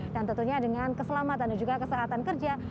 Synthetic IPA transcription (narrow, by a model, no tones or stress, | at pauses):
dant̪ənt̪uɲadəŋankəsəlamat̪andad͡ʒuɡakəsaɦat̪ankərd͡ʒa